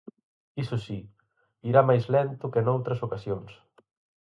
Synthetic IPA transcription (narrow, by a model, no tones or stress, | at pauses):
isusi | iɾamajzlɛnt̪ukenowt̪ɾɐsokasjons